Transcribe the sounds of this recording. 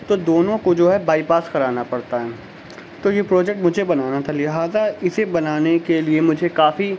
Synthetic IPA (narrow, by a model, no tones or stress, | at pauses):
t̪od̪oːnõkod͡ʒoːɦɛbaːipaːskɐɾaːnapɐɽt̪aɦɛː | t̪ojepɾɔːd͡ʒɛk̚ʈmʊd͡ʒʱebɐnaːnat̪ʰalɪɦaːzaɪsebɐnaːnekeliemʊd͡ʒʱekaːfi